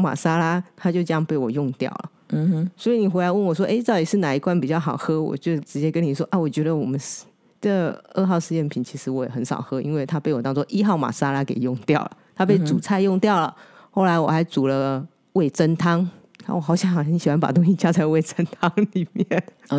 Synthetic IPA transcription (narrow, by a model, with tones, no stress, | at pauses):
ma̰˨˩sa˥la˥t̪ʰa˥t͡ɕjo˥˧ɤ˥˧jɑ˥˧ŋpe˥˩ɪwɔ˨˩jʊ˥˧ŋt̪jɑ̰˥˩ʊlə̰˩˨ | swɔ˧˥i˨˩ni˨˩xe˧˥ɪla˧˦wə˥˩nwɔ˨˩ʂwɔ˥ʔe˥ɪt͡sɑ˥˩ʊt̪i˨˩ʂɻ̩˥˩na˨˩i˧˥kwa˥˩npi˨˩t͡ɕjɑ˥˩ʊxɑ˨˩ʊxɤ˥wɔ̰˨˩t͡ɕjo˥˩ʈ͡ʂɻ̩˧˥t͡ɕjɛ˥kə˥ni˨˩ʂwɔ˥ʔa˥˩wɔ˨˩t͡ɕɥɛ˧˥d̪ə˧wɔ˨˩mə˦n | ʈ͡ʂə˥˩ɡəɤ˥˧xɑ˥˧ʊʂɻ̩˥˧jɛ˥˩npʰi˨˩˦nt͡ɕʰi˧˥ʂɻ̩˧˥wɔ˧˥jɛ̰˨˩xə˧˥nʂɑ̰˨˩ʊxɤ˥ḭ˥nwe˥˩ɪt̪ʰa˥pe˥˩ɪwɔ˨˩ɑ˥ŋt͡sɔ˥ʔi˥xɑ˥˩ʊma̰˨˩sa˥la˥ke˨˩ɪjʊ˥˧ŋt̪jɑ˥˩ʊlə̰˩t̪ʰa˥p̬e˥˩ɪt͡su˨˩t͡sʰa˥˧ɪjʊ˥˧ŋt̪jɑ˥˩ʊlə˩ | xo˥˩ʊla˧˥ɪwɔ˨˩xa˧˥ɪt͡su˨˩lə˦ | we˥˩ɪt͡sə˥nt̪ʰɑ˥ŋ | a̰˧˥wɔ˨˩xɑ˧˥ʊɕjɑ˧˥ŋ˨˩ə˧˥ɕi˨˩wa˧˦npa̰˨˩t̪̬ʊ˥ŋɕi˥˧t͡ɕja˥t͡sa˥˧ɪwe˥˩ɪt͡sə˥nt̪ʰɑ˥ŋli˨˩mjɛ˥˩n